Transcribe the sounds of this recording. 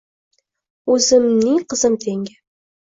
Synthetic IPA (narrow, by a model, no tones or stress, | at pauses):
ʉzɘmniŋqɤ̆zɤmt̪ʰeŋɡæ